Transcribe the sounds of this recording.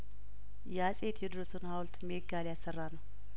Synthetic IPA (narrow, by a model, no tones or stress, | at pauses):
jɛasʼe̞t̪ʰjɛd̪ɨɾəsɨnhawlt̪meɡaljasːərːanəw